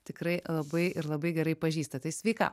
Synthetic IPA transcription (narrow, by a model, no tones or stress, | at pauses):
t̪ʲɪkɾɐɪlˠɐbɐɪʔɪɾlˠɐbɐɪɡʲɛɾɐɪpɐʒʲiːst̪ɐt̪ɐɪsʲʋʲɛɪkɑ̰ː